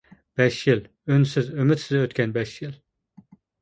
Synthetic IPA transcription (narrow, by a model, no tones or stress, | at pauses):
b̥ɛʃjil | ønsizømyt̪sizøt̪kʲɛnbɛʃjil